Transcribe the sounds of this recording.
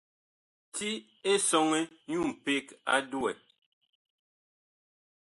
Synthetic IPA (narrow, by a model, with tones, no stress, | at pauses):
tʰi˦ | e˦sɔ˦ŋe˦ɲu˦˨m̩˨pe˦ka̰˦du˦ɛ̰˨